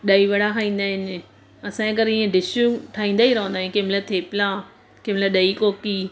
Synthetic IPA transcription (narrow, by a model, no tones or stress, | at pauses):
ɗɐiʋɐɽaɦaːĩːn̆d̪aːɦɪnɪ | ɐsãekɐɾiẽɖɪʃuʈʰaːɦĩːnd̪aːiɾɐɦə̃nd̪aɦĩkeːmlət̪ʰeːpɪla | keːmləɗɐikoːki